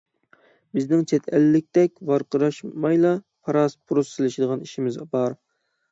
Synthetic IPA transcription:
bɪznɪŋt͡ʃʰɛt̪ʰɛlːɪk̚ʲt̪ɛk̚ʲvɑɾqəɾɑʃmɑjlˠɑ | pʰɑɾɑspʰuɾussɪlɪʃɪd̪əʁɑniʃimɪzbɑɾ

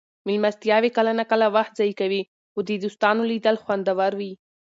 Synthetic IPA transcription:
mɪlmast̪jɑwekalanakəlawaxt̪̚zɑjkawi | xod̪ed̪ust̪ɑnolid̪əlxwand̪awaɾwi

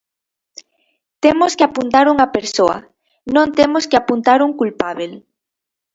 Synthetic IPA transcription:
t̪emoskeapunt̪aɾuŋapeɾsoɐ̰ | nõnt̪emoskeapunt̪aɾuŋkulpaβel

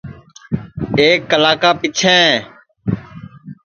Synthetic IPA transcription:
eːkːəlaːkaːpit͡ʃʰẽː

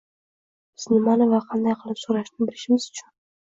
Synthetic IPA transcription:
bɪznimɑnovɑqʰɑnd̪ɑjqʰlˠɪpsuɾɑʃnɪbɪɾɪʃɪmɪzʊt͡ʃʰʊn

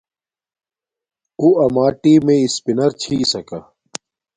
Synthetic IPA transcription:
uɐmaːʈiːmẽɪspinɐɾt͡ɕʰiːsɐka

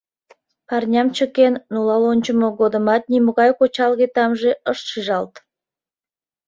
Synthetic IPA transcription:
pɑrnʲɑmt͡ɕəkenːulɑlonʲt͡ɕəmoɡod̪ə̆mɑt̪̚nimoɣɑjkot͡ɕɑlɣet̪ɑmʒeəʃʃiʒɑlt̪

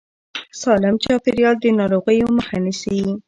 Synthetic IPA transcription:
sɑlɪmt͡ʃɑpɪɾijɑld̪ənɑɾoɣəjoməxanisi

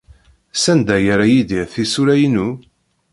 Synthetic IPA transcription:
sænd̪æjəɾajid̪iʁθisulæjnu

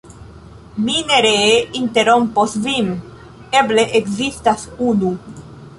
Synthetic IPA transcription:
mineɾeint̪eɾomposvim | ebleʔekzist̪asunu

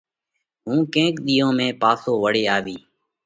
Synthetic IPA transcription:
ɦũːkẽːkɗ̪iːõːmẽːpaːsoːʋəɽeːaːʋiː

